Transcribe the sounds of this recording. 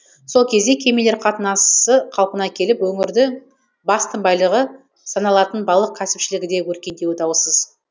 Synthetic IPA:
so̞lˠkʲʰe̞zd̪e̞kʲʰe̞me̞leɾqʰɑt̪ənɑsəqʰɑlˠpənɑkʲʰe̞lɪpwɵŋɪɾd̪ɪ | bɑst̪əmbɑjlˠəʁə | sɑnɑlˠɑt̪ənbɑlˠəq̚kʲʰæsɪpʃɪlɪɡʲɪd̪e̞wɵɾkʲe̞nd̪e̞wɪd̪ɑwəsəz

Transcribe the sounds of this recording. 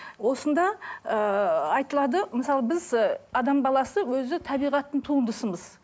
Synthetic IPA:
wo̞sənd̪ɑəɑjt̪əlˠɑd̪əməsɑlˠəbɪzɑd̪ɑmbɑlˠɑsəwɵzɪt̪ʰɑbijʁɑt̪ːənt̪ʰuənd̪əsəməz̥

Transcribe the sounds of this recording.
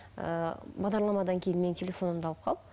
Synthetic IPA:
ə̰bɑʁd̪ɑɾlˠɑmɑd̪ɑŋkʲʰe̞jɪnme̞ntʰʲelʲe̞fo̞nəmd̪ɑlˠəp̚qʰɑlˠ

